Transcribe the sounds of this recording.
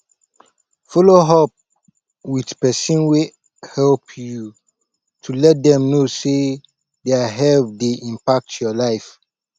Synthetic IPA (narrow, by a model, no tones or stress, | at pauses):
fɔloɦɔp̚ | widpɛsɔ̃nwe | hɛlpʰju | tʰulɛt̚dɛ̃mnose | deaɦɛvdeʔĩmpak̚tʰjɔlaɪf